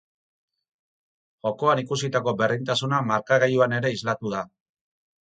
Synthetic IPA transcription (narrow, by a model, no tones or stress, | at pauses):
ʝo̞ko̞anikus̬it̪ako̞be̞rðint̪asunamaɾkaɣejuane̞ɾe̞izlat̪uða